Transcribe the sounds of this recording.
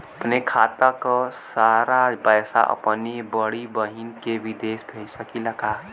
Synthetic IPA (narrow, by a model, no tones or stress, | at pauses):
əpnekʰat̪əkɔsaɾapəjsa̰ʔə̰pnibəɽibəɦinkeʋid̪esbʱesəkilaka